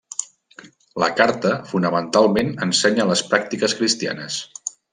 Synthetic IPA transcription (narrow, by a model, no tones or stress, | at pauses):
lə̰kaɾt̪əfunəmənt̪alˠmenənsɛɲələspɾak̚t̪ikəskɾist̪ia̰nəs